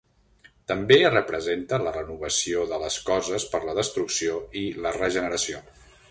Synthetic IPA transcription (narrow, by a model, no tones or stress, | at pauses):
t̪əmberəpɾəzent̪ələrənuβəsioðələskɔzəspəɾləðəst̪ɾuksioilərəʒənəɾəsio